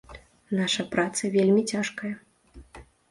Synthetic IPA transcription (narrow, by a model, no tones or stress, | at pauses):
naʂɐpɾat̪sɐvʲelʲmʲit͡sʲaʂkɐjɐ